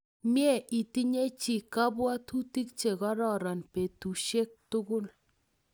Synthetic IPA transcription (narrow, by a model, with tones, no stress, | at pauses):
mje˦˨ʔi˨ti˦ɲe˦t͡ʃi˨ka˦bwa˦tʰu˦ti˦k̚t͡ʃe˨ɣɔ˦ɾɔ˨ɾɔ˨npe˨tu˨ʃe˦k̚tʊ˦ɡʊ˦l